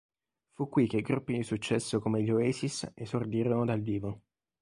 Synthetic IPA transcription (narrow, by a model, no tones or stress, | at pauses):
fukːwik̟ːeiɡɾupːid̪isut͡ʃːɛsːokomeʎoɛːsisesord̪iːɾonod̪alviːvo